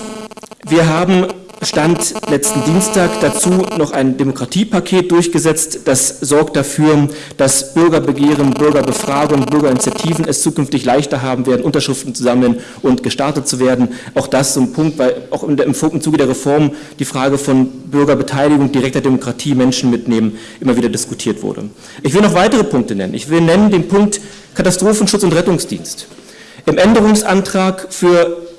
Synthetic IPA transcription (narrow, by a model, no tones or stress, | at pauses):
viːɐɦaːbm̩ | ʃtantlɛt͡stn̩diːnstʰaːkd̥at͡suːnɔχaɪndemokʁ̥atʰiːpʰakʰeːt̚d̥ʊɐçɡ̥əzɛt͡std̥asz̥ɔɐkt̚d̥afyːɐ | d̥asb̥ʏɐɡɐbəɡeːʁ̞ənbʏɐɡɐbəfʁ̥aːɡʊŋb̥ʏɐɡɐɪnit͡sjatʰiːvn̩ɛst͡suːkʏnftɪçlaɪçtɐɦaːbm̩veːɐdn̩ʔʊntɐʃʁ̥ɪftn̩t͡suzaml̩ən | ʔʊntɡ̥əʃtaɐtət̚t͡suveːɐdn̩ʔaʊxd̥ast͡sʊmpʰʊŋk̚tvaɪlaʊxɪɪmfɪmt͡suːɡədeːɐʁɛfɔɐm | d̥iːfʁ̥aːɡəfɔnbʏɐɡɐbətʰaɪlɪɡʊŋd̥iʁɛk̚teɐdemokʁ̥atʰiːmɛnʃn̩mɪtneːmən | ʔɪmɐviːdɐdɪskutʰiːɐtv̥ʊ̰ɐdə̰ | ʔɪçv̥ɪlənɔχv̥aɪtəʁ̞əpʰʊŋk̚tənɛ̰nə̰nɪ̰çv̥ɪlnɛnəndeːnpʰʊŋk̚t | kʰatastʁ̥oːfn̩ʃʊt͡sʊntʁɛtʊŋsd̥ḭːnst | ʔɪmʔɛndəʁ̞ʊŋsʔantʁ̥aːkfyːɐ